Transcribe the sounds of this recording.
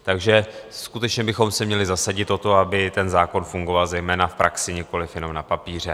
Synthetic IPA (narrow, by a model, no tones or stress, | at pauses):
t̪aɡʒɛskut̪ɛt͡ʃɲɛbɪxo̞msɛmɲɛlɪzasaɟɪt̪o̞t̪o̞abɪt̪ɛnzaːko̞nfuŋɡovalzɛjmɛːnafpɾʔaksɪɲɪko̞lɪfjɛnomnapapiːr̝ɛ